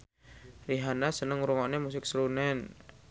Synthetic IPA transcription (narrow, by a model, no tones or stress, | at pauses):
riɦanasənəŋuɾuŋɔʔnemus̬ɪk̚slunɛn